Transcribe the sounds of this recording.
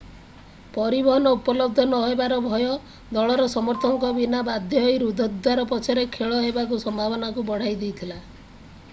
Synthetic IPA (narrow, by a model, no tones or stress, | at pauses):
pɔɾibɔɦɔnɔupɔlɔb̚d̪ʱɔnɔɦebaɾɔbʱɔjɔ | d̪ɔɭɔɾɔsɔmɔɾt̪ʰɔŋkɔbinabad̪ʱjɔɦjɾud̪ʱɔd̪ʱːaɾɔpɔt͡ʃʰaɾekʰeɭɔɦebakusɔmbʱabɔnakubɔɽ̤ajd̪ijt̪ʰila